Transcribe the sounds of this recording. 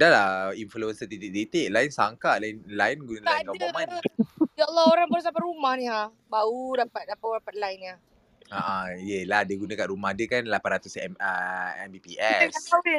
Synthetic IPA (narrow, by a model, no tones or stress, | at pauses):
dalainfluənsət̪it̪iʔ̚t̪it̪eʔlainsaŋkaʔlainlainɡunalaakaboma | jaʔlːɔoɾaŋbəɾus̬apaumahnĩa | baudapat̪̚dapaapat̪̚lainia | aʔaijəlahdəɡunãkaʔɾumahdəkanlapanrat̪usɛ̰məɛ̰mbipiʔɛsaai